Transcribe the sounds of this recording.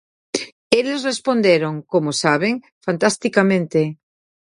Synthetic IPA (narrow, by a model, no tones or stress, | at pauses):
elezrespond̪eɾoŋkomosaβ̞eŋ | fant̪ast̪ikamẽnt̪e